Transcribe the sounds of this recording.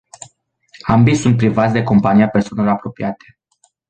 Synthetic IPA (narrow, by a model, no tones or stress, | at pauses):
ambisunt̪̚pɾivat̪sʲd̪eko̞mpanijape̞rsoaneloɾapɾo̞piat̪e̥